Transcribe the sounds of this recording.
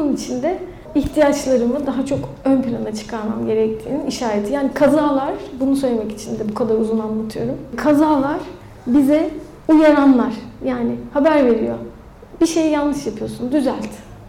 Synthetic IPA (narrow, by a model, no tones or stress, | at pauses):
ɯnit͡ʃʰind̪ɛ | içt̪ʰijat͡ʃlˠaɾɯmɯd̪aɦat͡ʃʰo̞k | ønpʰilʲanat͡ʃʰɯ̥kʰaɾma̰mɟe̞ɾɛc̚t̪ʰiːniniʃaːɾet̪ʰijaːnikʰazaːlˠaɾ̥bunusø̞jlʲemɛci̥t͡ʃʰind̪ɛbukʰad̪aɾuzunammat̪ʰɯjo̞ɾumkʰazaːlˠaɾ̥ | bizɛ | ujaɾanlˠaɾ̥jaːnɪhabæɾve̞ɾḭjo | biʃe̞jjanˠnːɯʃjapʰɯjo̞sund̪yzælʲt̪